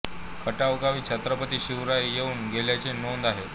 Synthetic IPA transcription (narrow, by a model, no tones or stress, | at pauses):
kʰəʈaʋɡaʋiːt͡ɕʰat̪ɾəpət̪iːɕiʋɾajjeuːnɡʱeljat͡senond̪aɦe